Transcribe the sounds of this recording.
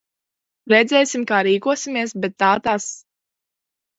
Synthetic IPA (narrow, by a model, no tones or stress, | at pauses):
ɾɛd̪zɛjsimkaːɾiːkuɔsʲimiɛsbɛt̪ːaːt̪as